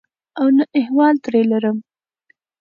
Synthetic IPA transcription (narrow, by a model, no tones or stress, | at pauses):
awnəʔɪhwɑlt̪ɾelaɾəm